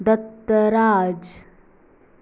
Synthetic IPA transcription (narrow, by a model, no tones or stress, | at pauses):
d̪ət̪ːəɾaːd͡ʒ